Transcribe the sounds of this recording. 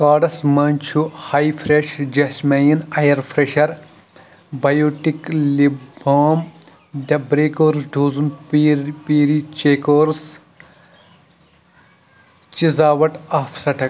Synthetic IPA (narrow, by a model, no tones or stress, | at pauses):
kaːɖɐsmɐnʲt͡ʃʰuhaːjfʰɾeʃd͡ʒɐsmɐjinɐjɐɾpʰɾeʃɐɾ | bɐjoːʈikliboːm | d̪ɐbɾeːkoːɾsɖʱoːzunpːpiːɾit͡ʃeːkoːɾs | t͡ʃizaːʋɐʈaːfʰsɐʈʰɐk